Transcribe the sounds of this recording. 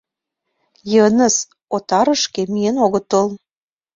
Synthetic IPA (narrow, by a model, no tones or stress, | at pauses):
jənə̆s | ot̪ɑɾə̆ʃkemienoɣə̆t̪əlˠ